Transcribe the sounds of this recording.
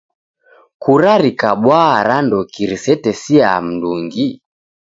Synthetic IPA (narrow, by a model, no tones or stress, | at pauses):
kuɾaɾikaɓwaɾandɔkiɾisɛtɛsia̰m̩nduŋɡi